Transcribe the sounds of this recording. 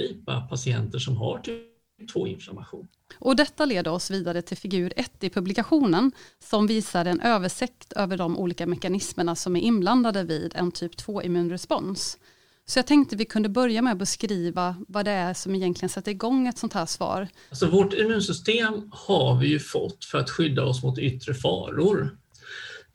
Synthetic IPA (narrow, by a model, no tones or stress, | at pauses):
iːpa̰pʰasɪɛ̰nt̪əʂɔmɦa̰ʈʰi | p̚t̪ʰvo̰ːɪ̰nfla̰ɾmaɧuːn | ʔɔd̪ɛt̪ːaleːd̪əɾɔsviːd̪aɾət̪ʰɪlfɪɡʉ̟ːɾɛt̪ːɪpʰɵblɪkaɧuːnənsɔmviːsaɾɛnʔøːvəʂɛkt̪ʰøːvəɖɔmʔṵːliːkamɛkanɪsməɳasɔmæɾʔɪnbland̪ad̪əvḭːd̪ɛ̰nt̪ʰyːpt̪ʰv̥oːʔɪ̰mʉ̟ːnɾɛspɔns | sɔjɑːt̪ʰɛŋkt̪əvɪkʰɵnd̪əbœɾjamɛɔbəskɾiːvavad̪ɛæʂɔmɪjɛnk̪lɪɡənsɛt̪ːəɾɪɡɔŋːɛt̪sɔnt̪ʰæːʂvɑ̰ːɾ | lsɔvoʈɪmʉ̟ːnsʏst̪eːmhavɪjɵfɔ̰t̪ːfœɾat̪ɧʏd̪ːaɔsmʊt̪ʏt̪ːɾəfɑ̰ːɾʊɾ